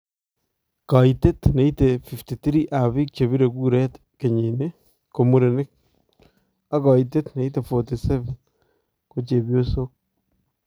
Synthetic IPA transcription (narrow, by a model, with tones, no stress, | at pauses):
ka˨ite˦t̪ne˨˦i˦te˨fi˨fti˨t̪i˦ɾi˦ʔa˨βɪ˦k̚t͡ʃe˨βi˦ɾe˨ɡu˦ɾɛ˦t̪ | ke˨ɲi˨ne˦ | ko˨mu˨ɾe˨nɪ˦k̚ | a˦kɔ˨ite˦t̪ne˨i˦t̬e˨fo˨ti˨sɛ˦vɛ˨n | ko˦t͡ʃe˨bjo˦so˦k̚